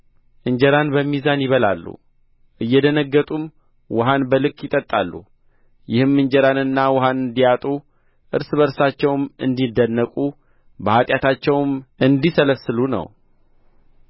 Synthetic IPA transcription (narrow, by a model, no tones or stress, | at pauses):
ʔɨɲd͡ʒɛɾanbəmːizanjɪβəla̰lːṵ | ʔɨjːɛd̪ənəɡːət̪ʼum | wɔɦanbəlɨkʼːjɪt̪ʼət̪ʼːalːṵ | jɪhɨmːɨɲd͡ʒɛɾanɨnːawɔɦanɨnd̪ijat̪ʼu | ʔɨɾsɨβəɾsat͡ʃːɛwmɨ̰nd̪id̪ənːəkʼu | bəhat̪ʼjat̪ʰat͡ʃːɛwmʔɨnd̪isələsːɨlunə̰w